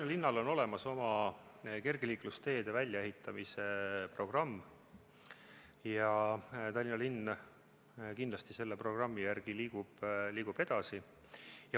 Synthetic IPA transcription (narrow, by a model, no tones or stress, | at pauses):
nɑlinːɑlo̞no̞le̞mɑso̞mɑke̞rɡ̥eliːklust̪e̞ːd̪̥e̞vælʲjɑe̞ɦhit̪ːˑɑmise̞pro̞ɡ̥rɑmː | jɑt̪ɑlʲːinɑlinː | kind̪lɑst̪ise̞lːe̞pro̞ɡ̥rɑmːijærɡ̥iliːɡ̥ub̥liːɡ̥ub̥e̞d̪̥ɑsi | jɑ